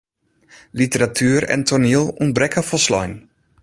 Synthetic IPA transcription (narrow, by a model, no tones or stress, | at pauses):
litəɾatʰyːəɾɛ̰ntʰɔɹnilˠun̚brɛkəfɔlˠslɔ̰jn